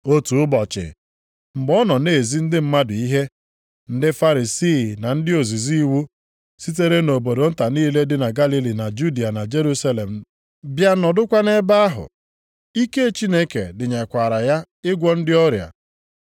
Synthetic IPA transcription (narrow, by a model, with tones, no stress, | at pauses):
o˦tu˨ʊ˦bɔ˨t͡ʃɪ̰˨ | m̩˨ɡ͡bɔ˦nɔ˨ne˨zi˦n̩˦dɪ˦m̩˦ma˦dʊ˨i˦ɦe˦ | n̩˦dɪ˦fa˦ɾi˨siː˦˨na˨n̩˦dɪ˦o˨zi˨zi˦i˦wu˦ | si˦t̬e˦ɾe˦no˨bo˨do˨n̩˦ta˨niː˦le˦dɪ˦na˨ɡa˦li˦li˨na˨d͡ʒu˦di˨a˨na˨d͡ʒe˦ɾu˦sa˦le˨m̩˨ | bja˦nɔ˨dʊ˦kʷa˦ne˦ba˦a˦ɦʊ̰˨ | i˦ke˦˨t͡ʃi˦ne˦kḛ˨dɪ˨ɲa˨kʷa˨ɾa˨ja˦ | ɪ˦ɡʷɔ˦n̩˦dɪ˦ɔ˦ɾja̰˨